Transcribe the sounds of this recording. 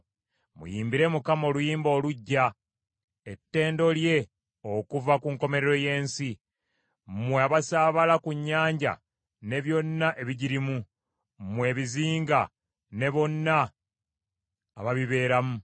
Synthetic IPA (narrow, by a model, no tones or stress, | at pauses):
mṵjiːmbiɾe̞mukamo̞ːlujiːmbo̞ːluɟːa | e̞tːe̞ːndo̞lje̞ | okuvakuŋko̞me̞ɾeɾo̞je̞ːnsi | mweaβasaːβalakuɲːaːɲɟa̰ | ne̞βjo̞nːaʔe̞βiɟiɾimu | mwe̞ːβiziːŋɡa | ne̞βo̞nːa | βaβiβe̞ːɾamu